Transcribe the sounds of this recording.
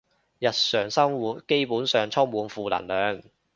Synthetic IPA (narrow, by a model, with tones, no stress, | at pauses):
jɐ˨t̚sœː˨˩ŋsɐ˥ŋwuː˨t̚ke˥jpuː˨˥nsœː˨ŋt͡sʰɔ˥ŋmuː˨˧nfuː˨˧lɐ̰˨˩nlœː˨˧ŋ